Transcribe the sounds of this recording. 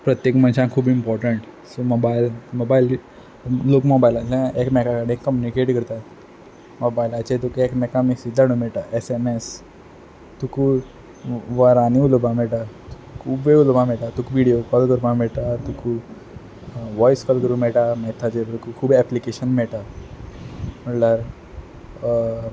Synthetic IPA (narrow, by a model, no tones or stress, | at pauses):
pɾət̪jekmə̃nɕãkʰuːbimpɔɾʈəɳʈ | somobailmobail | loːkmobailalẽʔekmɛkakaɽĩkːəmjunikeʈɡʱəɾt̪a | mobailat͡ɕet̪̬ukuekmɛkamisid̪ʱːaɽ̃ũmɛɭʈ̪aʔɛsemes | t̪uku | ʋaɾaniulobãmɛɭʈat̪ukʰuːbeulbãmɛɭʈat̪ukuʋiɽijokɔlkəɾbamɛɭʈ̪at̪uku | ʋɔjskɔlkəɾũmɛɭʈamɛt̪ʰad͡ʑeɾt̪ukukʰuːbiɛplikeɕənmɛɭʈ̪a | m̤əʈlaɾ